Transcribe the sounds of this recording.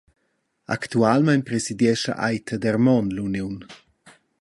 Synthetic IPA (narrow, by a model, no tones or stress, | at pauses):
a̰kt̪ualmajnpɾesid̪jɛʃa̰ʔa̰jt̪ʰad̪ɛrmɔnlunjun